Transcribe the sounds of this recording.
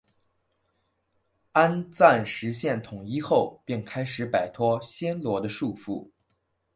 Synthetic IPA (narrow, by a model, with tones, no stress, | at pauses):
a˥nt͡sa˥˩nʂɻ̩˧˥ɕjɛ˥˩nt̪ʰʊ˨˩ŋi˥xo˥˧ʊpi˥˩ŋkʰa˥ɪʂɻ̩˧˥pa˨˩ɪt̪ʰwɔ˥ɕjɛ˥nlwɔ˧˥d̪ə˧ʂu˥˧fṵ˥˩